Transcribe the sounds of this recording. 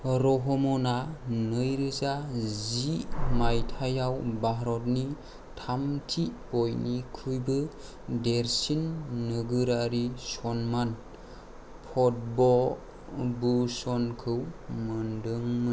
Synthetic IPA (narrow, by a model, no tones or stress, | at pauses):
ɾɔɦɔmɔnanɯjɾɯzazimajtʰajawbaɦɾɔt̚ni | tʰamtʰi | ɔjnikʰujbɯ | deɾsinːɯɡɯɾaɾisɔnman | pʰɔt̚bɔl | busɔnkʰɯwmɯndɯŋmɯ